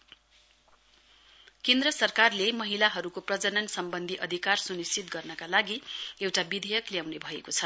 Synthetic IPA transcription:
kend̪rʌsʌrkarlemʌɦilaɦʌɾukoprʌd͡zʌnʌnsʌmbʌnd̪ʱiʔʌd̪ʱikarsunist͡sit̪̚ɡʌrnʌkalaɡiewʈabid̪ʱʌjʌkljawnebʱʌekot͡sʰʌ

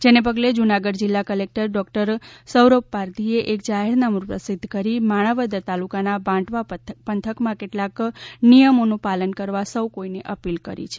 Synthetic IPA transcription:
d͡ʒenepəɡled͡ʒunaɡəɖd͡ʒilːakəlek̚ʈəɾɖɔkʈəɾsəwɾopːaɾd̪ʱieʔekd͡ʒaɦeɾnamuɾpɾə̰sid̪ʱːkəɾimaɽ̃əʋəd̪ət̪alukanabãʈʋapənt̪ʰəkmãkeʈlaknijəmonũpalənkəɾʋasəwkoineʔəpilkəɾḭt͡ʃʰe̥

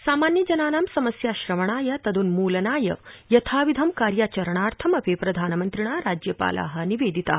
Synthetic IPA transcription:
saːmaːnjɐd͡ʒɐnaːnaːmsɐmɐsjaːʃɾɐʋɐɳaːjɐt̪ɐd̪unmuːlɐnaːjɐjɐt̪ʰaːʋid̪ʱɐmkaːɾjaːt͡ʃɐɾɐɳ̃aːɾt̪ʰɐmɐpepɾɐd̪ʱaːnɐmɐnt̪ɾiɳaːɾaːd͡ʒjɐpa̰ːla̰ːɦɐniʋeːd̪ʱit̪a̰ː

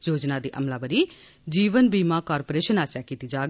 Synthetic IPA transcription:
d͡ʒoːd͡ʒnaːd̪ḭːʔə̰mlaːbəɾiːd͡ʒiːʋənbiːmaːkɔːɾpoːɾeːʃənaːsjaːkiːt̪iːd͡ʒaːɡ

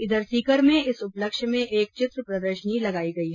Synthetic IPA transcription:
ɪd̪əɾsiːkəɾmẽɪsʊpləkʃmẽʔeːk̚t͡ʃɪt̪ɾpɾɐd̪əɾʃənilɐɡaːiɡɐiɦɛ

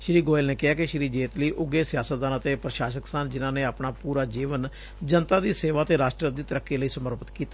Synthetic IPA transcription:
ʃɾiːɡoːɪlneːkɪɦaːkɪʃɾiːd͡ʒeːt̪liːʔʊɡeːsɪjaːsət̪̚d̪aːnət̪eːpɾəʃaːʃəksənd͡ʒɪnãːneːaːpɳaːpuːɾaːd͡ʒiːʋən | d͡ʒənt̪aːd̪iːseːʋaːt̪eːɾaːʃʈɾəd̪iːt̪əɾəkːeːləiːsəməɾpət̪kiːt̪a

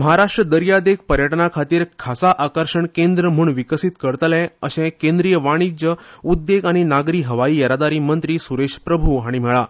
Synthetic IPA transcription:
məɦaɾaʂʈɾəd̪əɾjad̪ek̚pəɾjəʈnakʰat̪iːɾkʰasaʔakəɾɕəɳkẽnd̪ɾəm̤uːɳʋikəsit̪kəɾt̪lɛ̃əsẽkẽnd̪ɾijəʋaɽ̃id͡ʑəud̪ːeɡaɽ̃inaɡɾiːɦəʋaiːjəɾad̪aɾiːmənt̪ɾiːsuɾeɕpɾəbʱuɦaɽ̃im̤ɛɭa

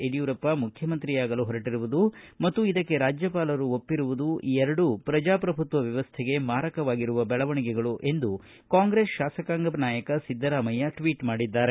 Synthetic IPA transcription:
eɖijuːɾɐpːɐmukʰjɐmɐnt̪ɾijaːɡɐluɦɔɾɐʈiɾuʋud̪umɐt̪ːuid̪ɐkːe̞ɾaːd͡ʒjɐpaːlɐɾuopːiɾuʋud̪uʔiɛɾɐɽupɾɐd͡ʒaːpɾɐbʱut̪ʋɐʋjɐʋɐst̪ʰeɡe̞maːɾɐkɐʋaːɡiɾuʋɐbɛɭɐʋɐɳiɡɛɡɐɭuʔe̞nd̪u | kaːŋɡɾe̞ːsʃaːsɐkaːŋɡɐbnaːjɐkɐsid̪ʱːɐɾaːmɐjɐʈʋiːʈmaːɽid̪ːaːɾe

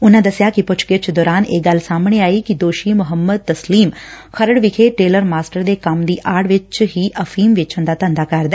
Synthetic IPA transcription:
ʊnãːd̪əsɪjaːkɪpʊt͡ʃʰkɪt͡ʃd̪ɔːɾaːneːɡəlsaːmɳ̃eːaːiːkid̪oːʃiːmʊɦəmːəd̪̚t̪əsliːmxʰəɾəɽʋɪkʰeːʈeːləɾmaːsʈəɾd̪eːkəmd̪iːʔaːɽʋɪt͡ʃɦiːʔəfʰiːmʋɪt͡ʃə̃nd̪aːt̪ə̃nd̪aːkəɾd̪ɛ

